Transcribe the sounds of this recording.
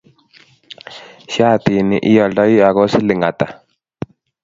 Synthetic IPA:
ʃja˦˨t̪i˨nɪ̰˨ʔɪ˦jɔ˨ldɔ˦i˦a˨ɣɔ˦sɪ˦lɪ˨ŋa˨t̪a˨

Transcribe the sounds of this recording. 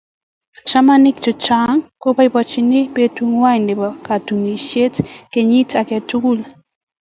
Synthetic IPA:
t͡ʃa˦ma˦nɪ˦kt͡ʃʊ˨t͡ʃa˦ŋko˦pa˦i˨bɔ˨t͡ʃɪ˨nɪ˦be˦tu˦ŋwa˦˨ndɪ˨bɔ˨ka˨tu˨ŋi˨ʃe˦tke˨ɲi˦ta˨ke˨tu˦ku˦l

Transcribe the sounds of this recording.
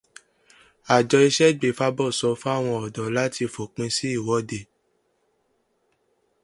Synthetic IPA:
a˨d͡ʒɔ˧i˧ʃɛ˦˨ɡ͡be˨fa˧˦bɔ˦˨sɔ˨˧fa˦˨w̃ɔ̃˧ɔ˨dɔ˨la˦ti˧fo˨k͡pĩ˧si˦i˦˨wɔ˨˦de˦˨

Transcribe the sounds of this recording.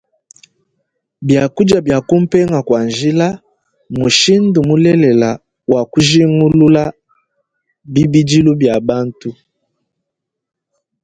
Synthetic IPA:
bja˨ku˦d͡ʒa˨bja˨ku˦m̩˦pɛ˦ŋa˨kwa˨nʒi˦la˦ | mu˨ʃi˦ndu˨mu˦lɛ˦lɛ˨la˨ | wa˨ku˦ʒi˦ŋu˦lu˦la˦ | bi˦bi˦d͡ʒi˦lu˦bja˨ba˦ntu˦

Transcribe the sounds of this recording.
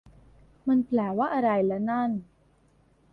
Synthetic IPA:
ma˧npʰlɛː˨˩waː˥˩ʔa˧ɾa˧jlɛ˦˥na˥˩n

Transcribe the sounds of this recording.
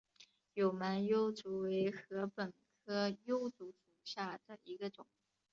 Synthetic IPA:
jo˨˩ʊma˧˥njo˥ʊt͡su˧˥we˧˥ɪxɤ˧˥pə˨˩nkʰɤ˥jo˥ʊt͡su˧˥ʂu˨˩ɕja˥˩d̪̥ə˩i˧˥ɡə˧ʈ͡ʂʊ˨˩˦ŋ

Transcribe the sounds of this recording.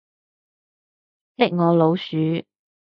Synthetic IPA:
lɪ˥k̚ŋɔː˨˧lo˨˧wsyː˨˥

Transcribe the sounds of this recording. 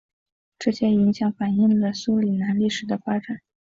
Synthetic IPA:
ʈ͡ʂɤ˥˩ɕjɛ˥i˧˥ŋɕjɑ˨˥˦ŋfa˨˩ni˥˩ŋlə˩su˧˥li˨˩na˧˥nli˥˩ʂɻ̩˨˩d̪ə˦˧fa˥ʈ͡ʂa˨˩˦n

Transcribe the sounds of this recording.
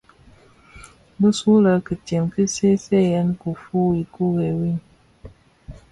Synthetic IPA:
bɨ˦su˦lə˦kɨ˨te˨mkɨ˦se˦sɛ˦jɛ˦n˦ku˨fu˦i˨ku˦ɣe˨wi˦n

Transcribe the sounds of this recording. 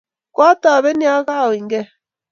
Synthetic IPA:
kwa˦ta˨βɛ˦ni˦a˦ɣa˦˨wi˨ŋɡɛ˦

